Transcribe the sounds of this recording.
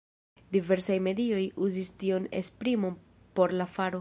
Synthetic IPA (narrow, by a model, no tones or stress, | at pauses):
dive̞ɾsajme̞dio̞juzistio̞ne̞̰spɾimo̞n | po̞ɾlafaɾo̞